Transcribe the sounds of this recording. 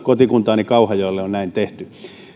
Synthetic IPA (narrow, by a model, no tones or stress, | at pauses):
kot̪ikunt̪ɑːnikɑuhɑjoilːeonnæint̪eht̪y